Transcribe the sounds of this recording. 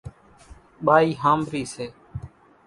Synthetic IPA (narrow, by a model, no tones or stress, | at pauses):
ɓaːiːɦaːmʋiːseː